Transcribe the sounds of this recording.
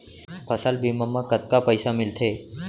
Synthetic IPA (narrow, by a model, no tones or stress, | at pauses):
pʰəsalbiməmːakət̪̚kapəjsamɪlt̪ʰe